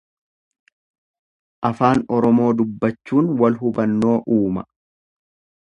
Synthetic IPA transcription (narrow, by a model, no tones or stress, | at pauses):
ʔɐfaːnɔɾɔmo̞ːd̪ʊbːɐt͡ʃːuːnwɐlɦʊbɐnːo̞ːʔuːmɐ̰